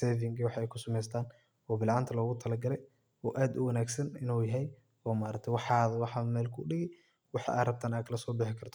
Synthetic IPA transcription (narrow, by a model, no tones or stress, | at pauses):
ɛvɪŋkʰiwɑħɛjkʰʊsɐmɛjst̪ʰaːn | ɔːbɪlʕɑːnt̪ʰɐlɔːɣʊt̪ʰɐlɐɡɐlɛj | ɔːʔaːd̪ʊ̰wɐnaːɡsɐnɪnoːjɐɦɛj | ɔːmaːɾɐɡ̚t̪ʰɐwɑħɑːðɐwɑħɑmɛːlkʰʊɖɪɣɛ | wɑħɑ̰ʔa̰ːrɐb̚t̪ʰaːnaːd̪kʰɐlɐsɔːbɪħɪkʰɐrt̪ʰɔ